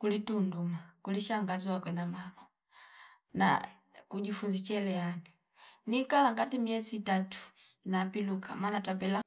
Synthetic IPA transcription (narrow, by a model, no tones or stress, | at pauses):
kulitundumakuliʃaŋɡazakwɛnamamɔ | na̰ | kuɟifunzit͡ʃɛlɛani | nikalaŋɡatimiɛziːtatu̥ | napiluka̰maːnatwapɛla